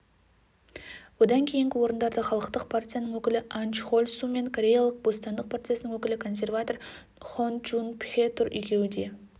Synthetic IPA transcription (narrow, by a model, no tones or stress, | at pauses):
wo̞d̪ɑŋkʲʰe̞jɪŋɡʲɪwo̞ɾənd̪ɑɾd̪əχɑlˠəqt̪əqpʰart̪ʲijanəɴwɵkʲɪlɪʔanʃχolʲsume̞ŋkʰoɾʲe̞jalˠəq̚bo̞st̪ɑnd̪əq̚prot̪ʲijasənəŋwɵkʲɪlɪkʰo̞ns̬ʲe̞rvat̪o̞r | χonʒunpet̪ʊɾʏ̰jkʲʰe̞wɪd̪e̞